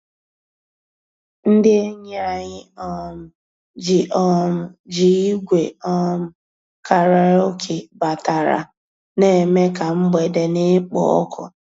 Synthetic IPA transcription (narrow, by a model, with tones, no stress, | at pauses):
n̩˦dɪ˦e˦ɲe˦a˦ɲɪ˦ɔ˦mʊ˨ | d͡ʒɪ˨ʔɔ˦mʊ˨d͡ʒi˨i˦ɡʷe˨ɔ˦m̩˨ | ka˨ɾe˨ɾo˦kʰe˨ba˨ta˨ɾa̰˨ | ne˨me˦ka˨m̩˦ɡ͡be˨de˨ne˦k͡pɔ̰˨ɔ̰˦kʰɔ̰˨